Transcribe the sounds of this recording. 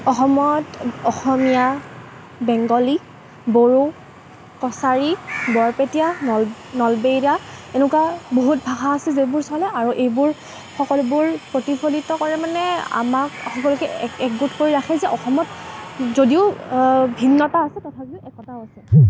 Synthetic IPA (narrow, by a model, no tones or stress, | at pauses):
ɔxɔmɔtɔxɔmija | bɛŋɡɔli | boɹo | kɔsaɹibɔɹpetijanɔnɔlbejɹaenukwaboɦut̚bʱaxaːsɛzebʊɹsalɛaɹuʔejbʊɹ | xɔkɔlʊbʊɹpɹotipʰolitɔkɔɹɛmanɛa̰makxɔkɔlʊkɛɛk̚ɡutkoɹiɹaxʰɛzɛʔɔxɔmɔtzodiʊbʱinːɔtaːsɛtɔtʰakiʔɛkːɔtaasɛ